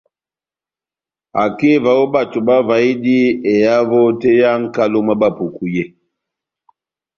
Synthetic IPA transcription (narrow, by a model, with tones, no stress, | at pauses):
a˨ke˦˨va˨wo˦ba˦˨tu˨ba˦va˨i˦di˦e˨ja˦vɔ˦te˦ja˦ŋ̩˦ka˦lo˦ma˦ba˦˨pu˨ku˨je˦